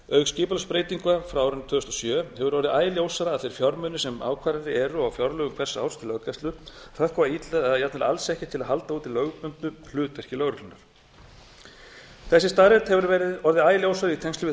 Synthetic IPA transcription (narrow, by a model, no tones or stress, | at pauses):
œɥɣscɪːpalspɾeːjt̪iŋkafɾaawɾʏnt̪ʰvʏːʏst̪ɔsjœːhɛvʏɾɔɾðɪaːjɪljowsaɾaːðθfejɾ̥fjɔɾmʏnʏsɛma̰ːwkʰvaɾaɾɪɛːɾʏawfjɔɾlœɣʏmkʰɛ̥sa̰wɾ̥st̪ʰɪlœkast̪lʏ | θakʰɔvait̪lɛðaðjat̪nɪla̰lsɛhcɪ̥t̪ʰɪlaðhɦal̪t̪auːt̪ɪlœːɥɣpʏnt̪nʏl̥ʏːt̪ɛr̥cɪlœɣɾʏklʏnːaɾ̥ | θɛsɪst̪aðɾɛt̪hɛvʏɾvɛɾɪðɔɾðɪaːjɪljowsaɾɪit̪ʰɛŋst̪ʏvɪ